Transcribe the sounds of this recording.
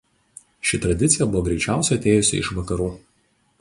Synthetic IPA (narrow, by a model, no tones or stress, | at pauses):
ʃʲɪt̪ɾɐd̪ʲɪt̪sʲɪjɛbʊʋoːɡɾʲɛɪt͡ʃʲæˑʊsʲɛɐt̪ʲeːjʊsʲɪ̰ɪʃʋɐkɐɾuː